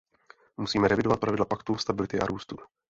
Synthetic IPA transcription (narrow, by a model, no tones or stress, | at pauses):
musiːmɛɾɛvɪdo̞vat̪̚pɾavɪdlapakt̪ust̪abɪlɪt̪ɪʔa̰ɾʔuːst̪u